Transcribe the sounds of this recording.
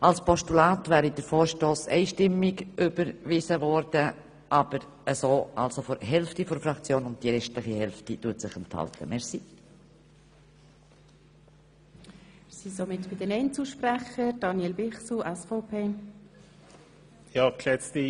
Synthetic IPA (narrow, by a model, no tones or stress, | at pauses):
ʔɑlspʰɔʃtulaːtvæːɾidəɾfoːɾʃtoːsɛ̰ɪʃtɪmːɪɡʔʏbəɾvɪzəvɔɾd̥ə | ʔɑːb̥əɾ | əsoːʔɑlsofɔɾɦɛlftifɔɾfɾɑkt͡sjoːnʊnt̚d̥iɾɛʃtlɪχihɛlftituətsɪχɛnthɑ̰ltʰəmɛɾsi | sisomɪtb̥ɪdənɛɪnt͡suʃpɾæχəɾd̥ɑnjɛlbɪχsuʔɛsfoːpʰeː | jɑːkʰlɛt͡sti